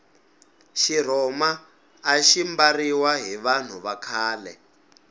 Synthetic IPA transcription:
ʃir̤ɔmaː | ʃimbariwaɦiβan̤uβakʰaːlɛ̰

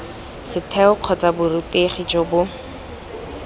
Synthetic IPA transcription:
sɪtʰɛʊq͡χʰɔt͡sabʊrʊteχit͡ʃʼɔbʊ

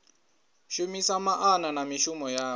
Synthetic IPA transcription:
ʃumisamaʔananamiʃumɔjaː

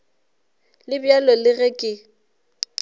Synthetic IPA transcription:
lɪbjalɔlɪɣɛkʼɪ

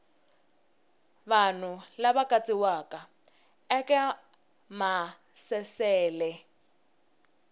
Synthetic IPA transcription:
βan̤ʊlaβakʼat͡sʼiwaːkʼa | ɛkʼɛ | ma | sɛsɛːlɛ

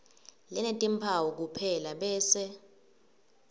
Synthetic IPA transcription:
lɛnetʼimpʰawɔk̬upʰɛlaɓɛːsɛ

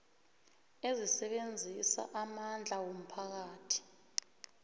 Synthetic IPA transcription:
ezisɛɓend͡zʱisa̰ʔamand͡ɮʱawom̩pʰak̬aːtʰi̥

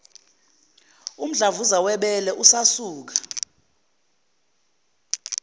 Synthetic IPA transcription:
um̩ɮavuzawɛɓɛlɛʔusasuːk̬ḁ

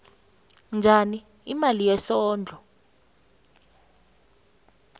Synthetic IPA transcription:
nd͡ʒʱani | imalijɛsɔːnd͡ɮʱɔ

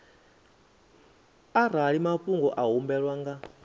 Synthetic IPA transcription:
ar̤aɺimaɸuŋɡɔʔaɦumbɛɺwaŋɡa

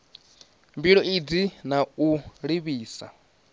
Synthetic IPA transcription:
mbiɺɔʔid͡zinauɺiβiːsa̰

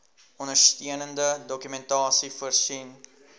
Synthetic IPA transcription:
ɔnərstiənəndədɔkymɛntɑːsifuərsin

